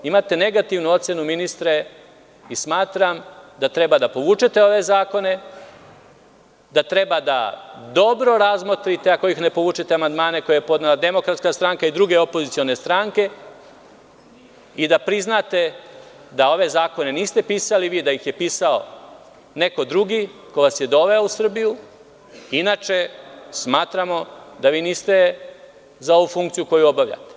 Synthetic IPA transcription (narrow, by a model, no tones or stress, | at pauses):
imaːt̪e̞ne̞ɡat̪iʋnuo̞t̪se̞numinist̪ɾe | ismaːt̪ɾamd̪at̪ɾe̞bad̪apo̞ʋuːt͡ʃet̪e̞o̞ʋe̞zaːko̞ne̞ | d̪at̪ɾe̞bad̪a̰d̪o̞bɾo̞ɾazmo̞t̪ɾit̪e̞ako̞jixne̞po̞ʋuːt͡ʃet̪eamand̪maːne̞kojeepo̞d̪nelad̪e̞mo̞kɾat̪skast̪ɾaŋkaid̪ɾuɡe̞o̞pozit̪sijo̞ne̞st̪ɾaŋke̞ | id̪apɾiznat̪e̞ | d̪ao̞ʋe̞zaːko̞ne̞niːst̪e̞piːsaliʋiːd̪ajixje̞piːsao̞ | ne̞ko̞d̪ɾuɡiko̞ʋasje̞d̪o̞ʋe̞ousr̩biju | inat͡ʃe̞smaːt̪ɾamo̞d̪aʋiːniːst̪e̞ | zao̞ʋufuŋkt̪sijuko̞juo̞baʋlʎa̰t̪e̥